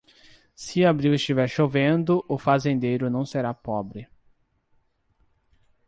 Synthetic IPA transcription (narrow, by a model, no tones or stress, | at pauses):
sɪabɾiwɪst͡ʃivɛɾʃovẽnd̪ʊʔʊfazẽnd̪ejɾʊnɐ̃w̃seɾapɔbɾɪ